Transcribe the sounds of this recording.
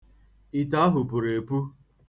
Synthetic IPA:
i˨ta˦ɦʊ˨pʊ˨ɾe˨pu˦

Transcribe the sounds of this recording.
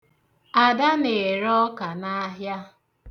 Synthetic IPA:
a˨da˦ne˨ɾɔ˦ka˨na˦ɦja˦

